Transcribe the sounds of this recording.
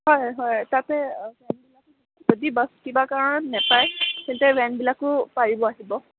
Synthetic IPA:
ɦɔjɦɔjtatɛbɛnbilakʊ | zodibaskibakaɹɔnɔnɛpajkɛntɛwɛnbilakʊpaɹibɔaɦibɔ

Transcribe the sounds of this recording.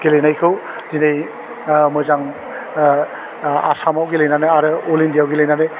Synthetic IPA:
ɡ̥elejnajkʰɯw | zinej | mɔjzaŋ | a̰samawɡelejnanɯaɾɯolindijawɡelejnanɯ

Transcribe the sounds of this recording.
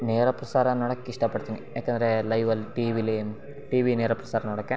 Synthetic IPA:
neːɾɐpɾɐsaːɾɐnoːɽɐkːeiʂʈɐpɐɽt̪inijaːkend̪ɾelɐjʋɐlʈiʋilim | ʈiːʋineːɾɐpɾɐsaːɾɐnoːɽɐkːe

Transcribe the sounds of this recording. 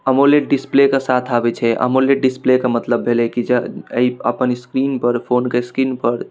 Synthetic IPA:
əmoleʈ̚ɖisplekesat̪ʰabɛt͡ʃʰɛʔə̰moleʈ̚ɖisplekamət̪ləbʱelɛkid͡ʒeə̰iəpənskɾinpəɾpʰonkeskɾinpəɾ

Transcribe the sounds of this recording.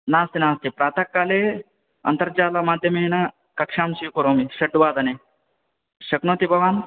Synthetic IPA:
naːst̪inaːst̪ipɾaːt̪ɐkːaːle | ɐ̰nt̪ɐɾd͡ʒaːlɐmaːd̪ʱjɐmeːna | kɐkʂaːmsijukoɾoːmiʃɐɖuʋaːd̪ɐne | ʃɐknoːt̪ibʱɐʋaːn

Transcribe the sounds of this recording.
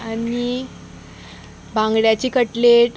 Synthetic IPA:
ani | bãŋɡɽjat͡ɕikəʈleʈ

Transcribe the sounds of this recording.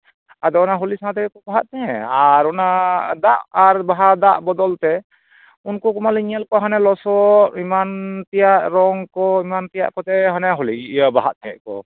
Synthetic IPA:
ad̪ɔɔnaɦɔlisãat̪ɛɛkɔbaɦat̪̚t̪ɛɛaɾɔnad̪aʔaɾbaɦad̪aʔbɔd̪ɔlt̪ɛ | unkɔkɔmaliɲɛlkɔɦanɛlɔsɔtimant̪ijaʔɾɔŋkɔimant̪ija̰ʔkɔt̪ɛɦanɛɦɔliiʔəbaɦaʔ̪̚t̪ɛɛ̰ʔkɔ̰

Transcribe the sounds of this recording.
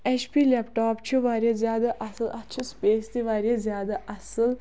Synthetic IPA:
et͡ʃpiːlepʈaːpt͡ʃʰuʋaːɾʲjazjaːd̪ɐʔɐsɨlɐtːt͡ʃʰispeːst̪iʋaːɾijazjaːd̪ɐʔɐsɨl

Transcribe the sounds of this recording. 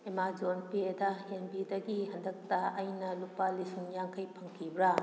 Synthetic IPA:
emad͡ʒonpedɐhenbidɐɡihɐndɐk̚tɐɐjnɐlupalisiŋjaŋkʰɐjpʰɐŋkʰibɾa

